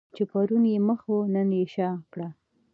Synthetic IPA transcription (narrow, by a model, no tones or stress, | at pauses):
t͡ʃepaɾunjeməxonəneʃɑkɽa